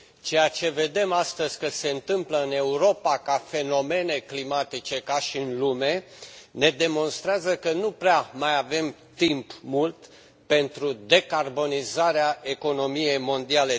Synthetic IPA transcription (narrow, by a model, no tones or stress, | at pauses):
t͡ʃe̞jat͡ʃe̞ve̞d̪e̞mast̪əzʲkəse̞ɨnt̪ɨmpləɨne̞uɾo̞pakafe̞no̞me̞ne̞klimat̪it͡ʃe̞kaʃiɨnlume̞ne̞d̪e̞mo̞nst̪ɾeazəkənupɾeamajave̞m | t̪impmult̪ | pe̞nt̪ɾud̪e̞karbo̞nizaɾeae̞ko̞no̞mije̞jmo̞nd̪iale